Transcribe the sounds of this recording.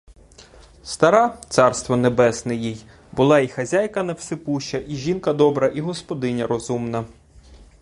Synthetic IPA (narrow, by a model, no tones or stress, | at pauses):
st̪ɐɾɑt̪sɑrst̪ʋɔnebɛsnɪjij | bʊlˠɑixɐzʲajkɐnɐwsɪpuʃɐʔiʒʲinkɐd̪ɔbɾɐʔiɦɔspɔd̪ɪnʲɐɾɔzumnɐ